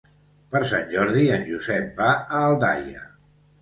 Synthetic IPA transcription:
pəɾsa̰nʲʒɔɾðiənʲʒuzɛp̚baəːlˠd̪a̰jə̰

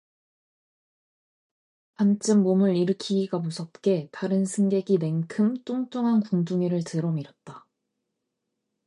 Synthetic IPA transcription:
pant͡ɕ͈ʰɯmːomɯɾiɾɯkʰiɡamusʰʌt̚k͈e̞taɾɯnsʰɯŋɡe̞ɡine̞ŋkʰɯmt͈uŋt͈oŋɦankuŋduŋiɾɯɭtɯɾʌmiɾʌt̚t͈a

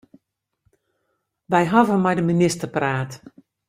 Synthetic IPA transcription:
ʋɛjɦɔvəmɛjdəminɪstərpraːt

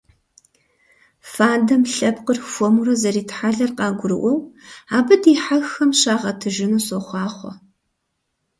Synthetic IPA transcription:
faːdɐmɬɐpqərfʷɔmurɐzɐɾiːtħaɮɐrqɑːɡʷʊɾɨʔʷɔwaːbɨdiħaxɐmɕaːʁɐtʰɨʒɪnuːsoχʷɑːχʷɔ̰

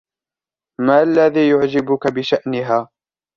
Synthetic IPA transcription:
maːʔalːaðiːjʊʕd͡ʒɪbʊkabɪʃaʔnɪɦaː

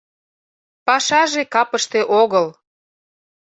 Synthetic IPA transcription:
pɑʃɑʒekɑpəʃt̪eʔoɣəl

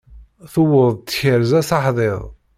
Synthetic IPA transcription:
θʊwəðˤt̪ːçəɾzæsɑħðˤeðˤ

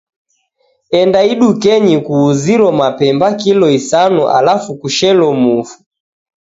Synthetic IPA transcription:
ɛndaiɗukɛɲikuːziɾɔmapɛmbakilɔisanuʔa̰lafukuʃɛlɔmufu̥

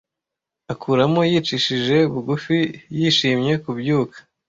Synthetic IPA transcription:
akʰuːɾamojiːt͡ʃiʃiʒe̞uβuɡufijiːʃiːmɲe̞kubjuːkʰḁ

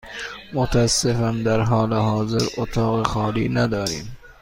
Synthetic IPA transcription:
mot̪ʰæsːefænd̪æɾɦɒːleɦɒːzeɾʔot̪ʰɒːɣexɒːliːnæd̪ɒːɾiːm

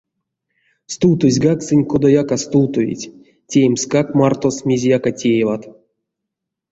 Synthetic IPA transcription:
st̪uwt̪ozʲɡaksɨnʲkod̪ajakast̪uwt̪ovʲḭtʲ | tʲejmskakmart̪osmʲezʲjakatʲejevat̪

